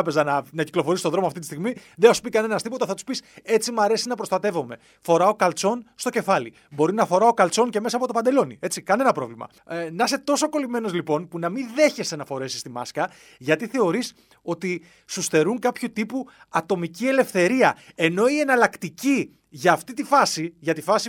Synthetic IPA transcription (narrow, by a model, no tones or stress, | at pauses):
pe̞zɐnɐnɐciklo̞foɾist̪ðɾo̞moɐft̪it̪i̥st̪iɣmiðeɐsu̥pikɐne̞nɐst̪ipo̞t̪ɐθɐt̪u̥spise̞t͡simɐɾe̞sinɐpɾo̞st̪ɐt̪e̞vo̞me̞ | fo̞ɾɐo̞kɐlt͡so̞nst̪o̞ce̞fɐli | bo̞ɾinɐfo̞ɾɐo̞kɐlt͡so̞nce̞mes̬ɐːpo̞t̪oɐnd̪e̞lo̞nḭe̞t͡sikɐne̞nɐpɾo̞vlimɐ̰ | nɐse̞t̪o̞soko̞lime̞no̞zlipo̞npunɐmiðe̞çe̞st̪enɐfo̞ɾe̞si̥st̪imɐ̰skɐ | ʝɐt̪iθe̞o̞ɾis | o̞t̪i | susθe̞ɾuŋkɐpçut̪ipu | ɐt̪o̞micie̞le̞fθe̞ɾiɐ | e̞no̞ie̞nɐlɐkt̪ici | ʝɐːft̪it̪ifɐsiʝɐt̪ifɐsi